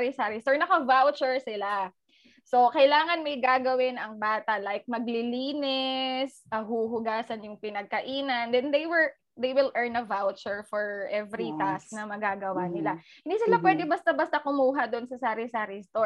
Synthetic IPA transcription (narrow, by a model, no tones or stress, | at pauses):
ɾɪsaɾɪst̪ɔɹnɐkɐvawt͡ʃʊɹsɪla | so̞kɐjlaːŋɐnmɐjɡaɡɐwɪnɐŋbaːt̪ɐlajk̚mɐɡ̚lɪliːnɪs | ɐɦuɦʊɡaːsɐnjʊŋpɪnɐɡ̚kɐʔiːnɐnd̪ɛnd̪ejwɛɹ | d̪ejwɪlʔɛɹnɐvawt͡ʃʊɹfɔɹʔɛvɾit̪asnɐmɐɡaɡɐwanɪla | hɪ̃nd̪iːsɪlapwɛd̪ɛbɐst̪ɐbɐst̪ɐkʊmuːɦɐd̪oʔnsɐsaːɾɪsaːɾɪst̪o